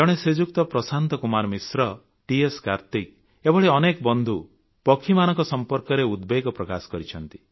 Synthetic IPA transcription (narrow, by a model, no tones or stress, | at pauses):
d͡ʒɔɽ̃esed͡ʒuk̚t̪ɔpɾɔsant̪ɔkumaɾmisɾɔ | ʈieskaɾt̪ik̚ | ebɔɭeɔnekɔbɔnd̪ʱu | pɔkʰːimanɔ̃ŋkɔsɔmpɔɾkɔɾeud̪beɡɔpɾɔkasɔ̥kɔɾit͡ʃʰɔnt̪i̥